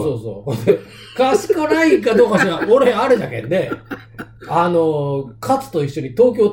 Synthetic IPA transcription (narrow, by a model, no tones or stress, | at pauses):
soːso̰ːhõnd̪e | kasi̥kanaikad̪o̞ːkasɨɾaʔoɾe̞aɾed̪akḛnːe̞ | ano̞kʰat͡sɨ̥t̪o̞iɕːo̞ɲ̟it̪o̞ːk̬ʲo̞ː